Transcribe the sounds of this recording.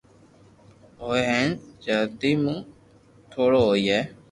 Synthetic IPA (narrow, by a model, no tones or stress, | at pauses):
ɦoːeɦɛ̃ːnd͡ʒəɾd̪iːmũː | t̪ʰoːɽoːɦoːiːɦɛː